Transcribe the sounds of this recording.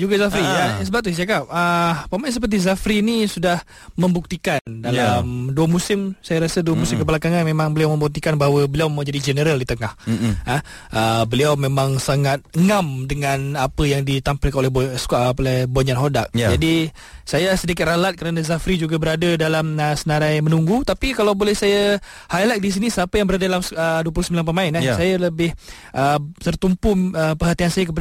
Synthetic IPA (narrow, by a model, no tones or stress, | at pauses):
d͡ʒuɡazafɾijasəbap̚t̪usakap̚əamajs̬əp̬ərt̪̬izafɾinisudah | mə̃mbuk̚t̪ikandalamduəmusɪmsajaɾasəduamusɪmkəpalakaŋanmemãŋbəliawmə̃mbuk̚t̪ikanbaɦawəbəliawmawd͡ʒadid͡ʒənəɾəldit̪əŋaha | ʔəbəliawmẽmãŋsaŋat̪̚əŋamdəŋanapəjaŋdit̪ampɪlkanolɛboskaʔpolɛhboɲanɦodak̚jd͡ʒadi | sajasədikɪt̪̚ralat̪̚kəɾanazafɾid͡ʒuɡabəɾadadalaməsənaɾajmənuŋɡut̪apikalawbolɛhsaja | hajlak̚dis̬inisəapəjaŋbəɾadadalaməduəpulusəmbilanpəmaɪnasajaləbɪh | ʔəsərt̪umpʊəpərɦat̪iansajak̬əp̬a